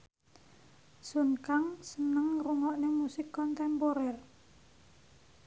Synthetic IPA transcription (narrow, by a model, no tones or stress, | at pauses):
sunkaŋsənəŋruŋɔʔnɪŋmusɪkːɔnt̪ɛmpɔɾɛr